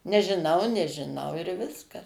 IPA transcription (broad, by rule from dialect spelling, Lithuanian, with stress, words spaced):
nʲɛʒʲɪˈnɐʊ nʲɛʒʲɪˈnɐʊ ɪr ˈʋʲɪskɐs